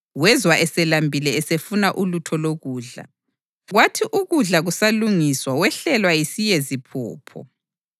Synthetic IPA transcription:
ɣwɛzwaʔɛsɛlambʱilɛɛsefunaʔulutʰɔloɣuːɮa̰ | ɣwatʰiʔuɣuɮaɣusaluŋiswawɛɬɛlwajisijezipʰṵːpʰɔ̰

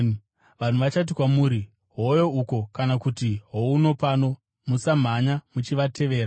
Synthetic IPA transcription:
ʋan̤uʋat͡ʃat̬ikwamuːɾi | ɦojo̞uko̞kanakutiɦo̞uno̞pano̞ | musam̤aɲamut͡ʃiʋatʰe̞ʋe̞ːɾa

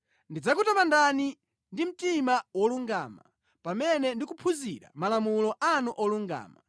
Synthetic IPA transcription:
ndid͡zak̬utamandani | ndim̩timawɔluŋɡa̰ːma̰ | pamɛnɛndikupʰuziɾa̰malamulɔʔanuʔɔluŋɡa̰ːma̰

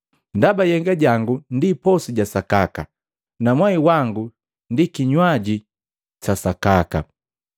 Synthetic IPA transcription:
ndabajɛŋɡaɟaŋɡundipɔsiɟasakaka̰ | namwaiwaŋɡu | ndikiɲwaɟi | t͡ʃasakaka̰

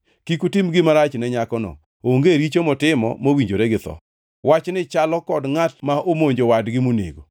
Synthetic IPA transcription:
kikutɪmɡɪmaɾat͡ʃnɛɲakɔnɔ̰ | oŋɡeɾit͡ʃomɔtɪmɔ̰mowiɲd͡ʒoɾɛɡɪt̪ɔ̰ | wat͡ʃnɪt͡ʃalɔkɔdŋatmaʔomoɲd͡ʒowadɡɪmonḛɡo

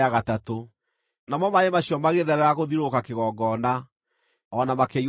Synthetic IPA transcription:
aɣatato | namɔmaemaɕiɔmaɣeðɛɾɛɾaɣoðiɾokakeɣɔɡɔna | ɔnamakei

